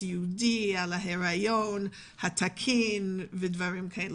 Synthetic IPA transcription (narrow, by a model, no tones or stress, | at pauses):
judialaɦeɾajon | hat̪ʰakʰinvedvaɹimkʰae